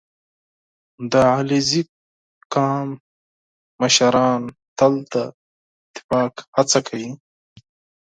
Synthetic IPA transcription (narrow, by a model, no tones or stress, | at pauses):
d̪əalizi | kɑːmː | əʃaɾɑːnt̪alt̪a | ɪt̪ɪ̥fɑːkhat͡sakʰawi